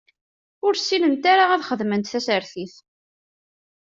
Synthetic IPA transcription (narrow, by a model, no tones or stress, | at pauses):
ʊɾsːilənt̪aɾaæðχəðmənt̪θæsəɾθiθ